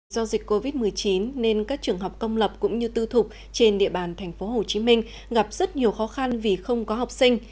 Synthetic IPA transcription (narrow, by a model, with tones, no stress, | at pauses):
zɔ˧zï˨˩k̟ko˧vi˦˥t̚mɨ˨˩əjt͡ɕi˨˦nːe˧nkaː˦˥k̚t͡ɕɨ˨˩əŋɦə˨˩wk͡p̚kə˧wŋ͡mlə˨˩p̚kʊ̰˧˥ŋ͡mɲɨ˧t̪ɨ˧t̪ʰʊ˨˩k͡p̚ | t͡ɕe˧nɗḭ˧˨əɓaː˨˩nt̪ʰɛ˨˩ŋ̟fo˨˦ɦo˨˩t͡ɕi˨˦mï˧ŋ̟ | ɣa˨˩p̚zə˦˥t̚ɲi˨˩əwxɔ˨˦xa˧nvi˨˩xə˧wŋ͡mkɔ˨˦ɦa˨˩wk͡p̚sï˧ŋ̟